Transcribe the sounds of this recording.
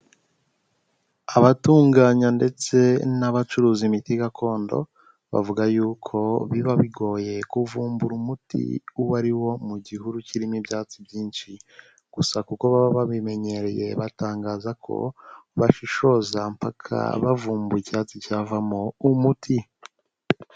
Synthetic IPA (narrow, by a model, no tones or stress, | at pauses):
aβatuːŋɡaːɲande̞t͡se̞naβat͡ʃuɾuːzimitiɡakʰo̞ːndo̰ | βa̰vuɡajuːkʰo̞βiβaβiɡo̞ːje̞kuvuːmbuɾumutḭuwaɾiwo̞muɟihuɾuciɾimibjaːt͡sibjiːnʃi | ɡ̥usakuko̞βaβaβaβime̞ɲe̞ɾeje̞βataːŋɡaːzakʰo̞̰βaʃiʃo̞zampakʰa̰βavuːmbuicaːt͡sicaːvamoumutʰi